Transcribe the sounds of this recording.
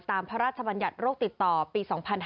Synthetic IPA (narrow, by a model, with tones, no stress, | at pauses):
t̪aː˧mpʰa˦˥ɾaː˥˩t̪̚t͡ɕʰa˧ba˧nja˨˩t̪̚ɾoː˥˩k̚t̪i˨˩t̪ːɔː˨˩piː˧sɔː˩˦ŋpʰa˧n